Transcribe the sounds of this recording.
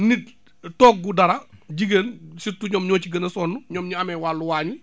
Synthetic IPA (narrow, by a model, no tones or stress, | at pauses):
nit | tɔːk̚ɡudɐɾɐɟiɡənsitːuɲɔːmɲɔːt͡ʃiɡɐnɐsɔːnːuɲɔːmɲuɐmɛwaːlːuwaːɲu